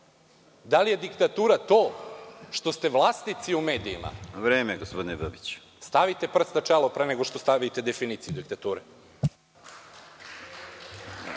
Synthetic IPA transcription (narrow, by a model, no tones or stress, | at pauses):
d̪alije̞d̪ikt̪at̪uːɾat̪o̞ːʃt̪o̞st̪e̞ʋlˠaːst̪nit̪siumeːd̪ijḭma̰ʋɾeːmeɡospod̪inebəbit͡ɕ | st̪aʋit̪e̞pr̩snat͡ʃelˠopɾeneɡo̞ʃt̪ost̪aʋit̪e̞d̪efinit̪sijud̪ikt̪at̪uːɾe